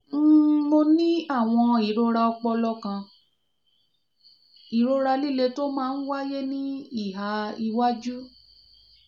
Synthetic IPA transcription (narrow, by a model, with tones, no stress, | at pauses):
m̩˦mo˧nĩ˦a˦˨w̃ɔ̃˧i˨ɾo˧ɾa˧ɔ˧k͡pɔ˧lɔ˦kã˧ | i˨ɾo˧ɾa˧li˦˨le˧to˦mãː˦˧˦n̩˦wa˦je˦nĩ˦i˦˨ɦa˨˦i˧wa˦d͡ʒu˦